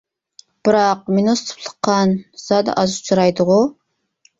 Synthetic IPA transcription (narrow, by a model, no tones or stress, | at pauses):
b̥ɨɾɑq̚minost̪ʰɨ̥pʰlˠə̥qːɑnz̥ɑd̪ɑ̰ʔɑzut͡ʃʰɨɾɑjd̪ɨʁʊ